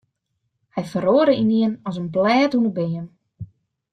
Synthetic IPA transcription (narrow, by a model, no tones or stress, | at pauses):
hɛjfəɾoːɾəiniənɔsənblɛːtunəbeːən